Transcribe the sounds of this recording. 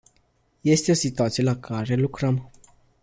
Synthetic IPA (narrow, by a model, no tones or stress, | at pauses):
je̞st̪e̞o̞sit̪uat̪sije̞lakʰaɾe̞lukɾəm